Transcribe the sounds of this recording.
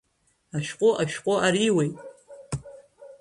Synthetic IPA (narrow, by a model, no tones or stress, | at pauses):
aʃᶣqʷʼoʔaʃᶣqʼoaɾiwejtʼ